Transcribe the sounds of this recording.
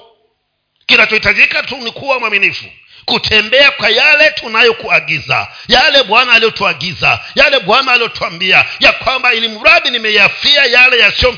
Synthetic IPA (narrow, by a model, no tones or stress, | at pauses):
kinat͡ʃɔhitaʄikatunikuwamwaminifṵ | kutʰɛmbɛakwajalɛtʰunajɔkuaɡiza̰jalɛɓwanaːliɔtuaɡiza̰jalɛɓwanaːliɔtuambiajakwambailimuɾaɗinimɛafiajalɛjasiɔ